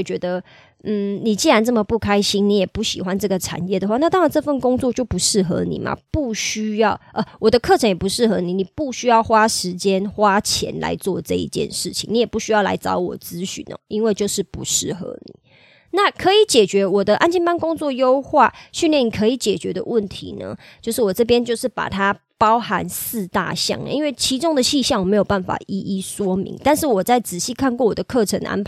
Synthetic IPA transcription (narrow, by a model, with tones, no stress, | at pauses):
t͡ɕɥɛ˧˥d̪ə˧ | n̩˥˩ni˨˩t͡ɕi˥˩ɻa˧˥nt͡sɤ˥˩mə˨˩pu˥˩kʰa˥ɪɕi˥ŋni˧˥jɛ˨˩pu˥˩ɕi˨˩xwa˦nʈ͡ʂɤ˥˩ɡə˩ʈ͡ʂʰa̰˨˩njɛ˥˩d̪ə˩xwa˥˧na˥˧t̪ɑ˥ŋɻa˧˥nʈ͡ʂɤ˥˧fə˥˩nkʊ˥ŋt͡swɔ˥˧t͡ɕjo˥˩ʊpu˨˧˦ʂɻ̩˥˩xɤ̰˧˦nḭ˨˩mʔɐ̰˨˦pu˥˩ɕy˥jɑ˥˩ʊʔə˧wɔ˨˩d̪ə˦kʰɤ˥˨ʈ͡ʂʰɤ˧˥ŋjɛ˨˩pu˧˦ʂɻ̩˥˩xɤ˧˥ni˨˩˦ni˨˩pu˥˩ɕy˥jɑ˥˩ʊxwa˥ʂɻ̩˧˦t͡ɕjɛ˦nxwa˦˥t͡ɕʰjɛ̰˧˥nla̰˧˥ɪt͡swɔ̰˥˧ʈ͡ʂɤ˥˧ḭ˧˩t͡ɕjɛ̰˥˨nʂɻ̩˥˩t͡ɕʰḭ˨ŋni˧˥jɛ˨˩pu˥˩ɕy˥jɑ˥˩ʊla̰˧˥ɪt͡sɑ˥ʊwɔ̰˨˩t͡sɹ̩˥ɕy̰˨˩nə̰˨˩i˥nwe˥˧ɪt͡ɕjo˥˧ʊʂɻ̩˥˩pu˧˥ʂɻ̩˥˩xɤə̰˧˦nḭ˨˩˦ | na˥˨˩kʰɤ˧˥i˨˥˦t͡ɕjɛ˨˩t͡ɕɥɛ˧˥wɔ˨˩d̪ə˦ʔa˥nt͡ɕi˥˩npa˥nkʊ˥ŋt͡swɔ˥˨jo˥ʊxwa̰˥˩ɕy˥˧nljɛ˥˩ni˨˩kʰɤ˧˥i˨˩t͡ɕjɛ˨˩t͡ɕɥɛ˧˥d̪ə̰˧wʔə˥˩nt̪ʰḭ˧˦nə̰˧t͡ɕjo˥˧ʂɻ̩˥˩wɔ˨˩ʈ͡ʂɤ˥˩p̬jɛ˦˥nt͡ɕjo˥˧ʊʂɻ̩˥˩pa̰˨˩t̪ʰa˦ | pɑ˦ʊha˧˥nsɹ̩˥˧t̪a̰˥˨ɕjɑ̰˥˩ŋə̰˨˦i˦˥nwe˥˩ɪt͡ɕʰi˧˥ʈ͡ʂʊ˥ŋd̪ə˨ɕi˥˧ɕjŋwɔ˨˩me˨˧ɪjo˨˩ʊba˥˩nfa̰˨˩ʔi˥ʔi˥˩ʂwɔ˥mḭ˧˥˦ŋt̪a˥˧nʂɻ̩˥˩wɔ˨˩t͡sa˥˩ɪt͡sɹ̩˨˩ɕi˥˧kʰa˥˧nkwɔ˥˩wɔ˨˩d̪ə˦kʰɤ˥˩ʈ͡ʂʰə˧˦nʔa̰˥npʰ